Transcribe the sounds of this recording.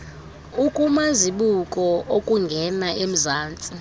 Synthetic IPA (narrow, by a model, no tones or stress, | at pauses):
ukʼumaziɓukʼɔʔokʼuŋɡʱɛnaʔem̩zaːnt͡sʼi